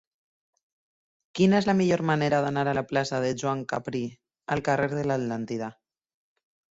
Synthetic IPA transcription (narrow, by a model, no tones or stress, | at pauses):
kinaezlamiʎoɾmaneɾaðanaɾalaplasað̞eʒwaŋka̰pɾi | alkareɾðelat̪lant̪iða